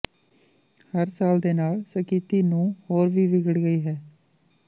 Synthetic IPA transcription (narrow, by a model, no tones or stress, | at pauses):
həɾsaːld̪eːnaːlsəkiːt̪iːnũːhoːɾʋiːʋɪɡəɽɡəiːɦɛː